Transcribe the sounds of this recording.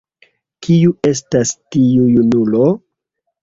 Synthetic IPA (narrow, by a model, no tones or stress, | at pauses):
kiuʔe̞s̬tastiujunulo̞